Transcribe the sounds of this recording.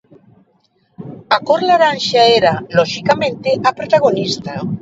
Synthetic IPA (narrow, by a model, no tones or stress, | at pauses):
akoɾlaɾanʃaeɾaloʃikamẽnt̪eʔapɾot̪aɣ̞onist̪a